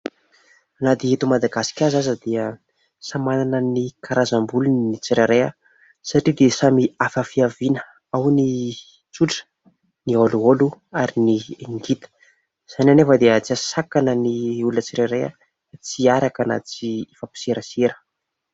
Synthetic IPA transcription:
anat̪iet̪umad̪aɡasi̥kʲazazəd̪iə | samananənikʰaɾazambulunit͡siɾaɾeə̰ | saʈ͡ʂid̪esamiafəfiavinə | awni | t͡suʈ͡ʂə̥ | nioluoluaɾinieŋɡit̪ə̥ | z̥ananefəd̪eət͡siasakanəniulət͡siɾeɾeə̰ | t͡siaɾakana̰t͡siifapi̥seɾəseɾə̥

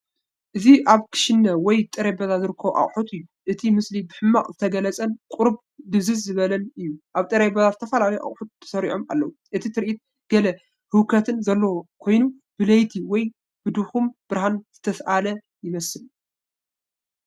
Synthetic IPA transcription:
ʔɨziʔaβkʰɨ̥ʃɪnːɐwɔjt̪ʼɨɾebɐzazɨɾɨkʰːɐʔa̰χʼħut̪ʰɨjːuʔɨt̪ʰimɨslibɨħɨmːaχʼzɨt̪ʰɐɡɐlɐt͡sʼɐnkʼʊɾb | d̪ɨβzɨzzɨβɐlɐnɨjːuʔaβt̪ʼɨɾebɐzazɨt̪ʰɐfalalijʔa̰χʼħut̪̚t̪ʰːɐ̥sɐɾḭʕoma̰lːɐwuʔɨt̪ʰit̪ʰɨɾʔit̪̚ | ɡ̥ɐlɐ | hɨkʰɐt̪ʰɨnzɐlːokʰo̞jnu | bɨlɐjt̪ʰiwɔj | b̥ɨd̪uxumb̥ɨɾhanz̥ɨt̪ʰɐsʔalɐ | jɪmɐsɨl

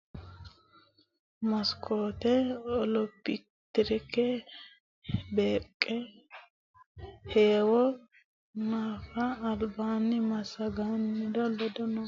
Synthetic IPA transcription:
mɐskoːt̪ɛɔlɔpːɪ | t̪ɪɾɪkɛ | beːkʼːɛ | heːwɔ | naːfɐːlbaːnɪmɐsɐɡanːɪd̪ɔlɔd̪ɔnɔ

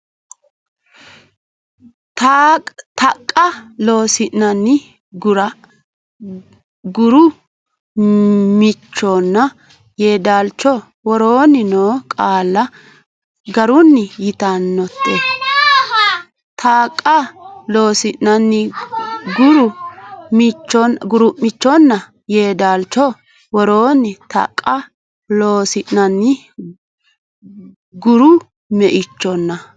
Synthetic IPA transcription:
t̪ː | t̪ɐkʼːɐlo̞ːsɪʔnɐnːɪ | ɡʊɾɐ | ɡʊɾʊ | mɪt͡ʃːoːnːɐ | jeːd̪aːlt͡ʃːɔ | wɔɾoːnɪnoːkʼaːlːɐ | ɡɐɾʊnːɪjɪt̪anːɔt̪ːe | t̪ʰaːkʼːɐlo̞ːsɪʔɐnːɪɡʊɾʊmɪt͡ʃːɔnɡʊɾʊmːɪt͡ʃːɔnːɐ | jeːd̪aːlt͡ʃːɔ | wɔɾoːnːɪt̪a̰kʼːɐ | loːsɪnnɐnːɪ | ɡʊɾʊ | mɛʔɪt͡ʃːɔnːɐ

